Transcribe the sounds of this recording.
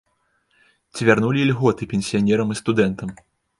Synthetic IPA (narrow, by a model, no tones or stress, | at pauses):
t͡sʲvʲarnulʲilʲɣɔt̪ɨpʲɛnʲsʲijanʲɛɾɐmɨst̪ud̪ɛnt̪ɐm